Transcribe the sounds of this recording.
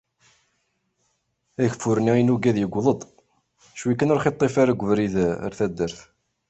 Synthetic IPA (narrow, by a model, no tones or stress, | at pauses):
æçəfːuɾniinuɡæðjəɡʷːðˤəd̪ˤ | ʃwikːənəɾχet̪ˤːefaɾaɡʷːəvɾiðæ̰ɾθæd̪ːəɾθ